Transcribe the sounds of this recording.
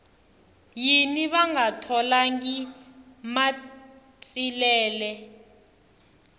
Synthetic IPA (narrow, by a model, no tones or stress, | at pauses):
jiniɓaŋatʰɔlaŋɡima | t͡sʼilɛːlɛ